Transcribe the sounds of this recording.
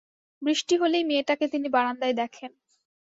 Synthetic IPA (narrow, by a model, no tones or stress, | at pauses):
bɾiʃʈiɦolejmieʈaket̪inibaɽand̪ajd̪ɛkʰen